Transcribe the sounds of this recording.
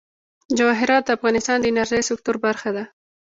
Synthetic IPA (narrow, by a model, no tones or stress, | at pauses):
d͡ʒawɑɦɪɾɑt̪̚d̪əafɣɑnɪst̪ɑnd̪ənaɾʒajsɪk̚t̪ʊɾbaɾxad̪a